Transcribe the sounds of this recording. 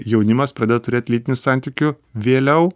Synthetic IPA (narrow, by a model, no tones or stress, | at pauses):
jɛʊnʲɪmɐspɾɐd̪ʲeːd̪ot̪ʊɾʲeːt̪ʲlʲiːt̪ʲɪnʲusɑˑnʲt̪ʲiːkʲʊ | ʋʲeːlʲɛʊ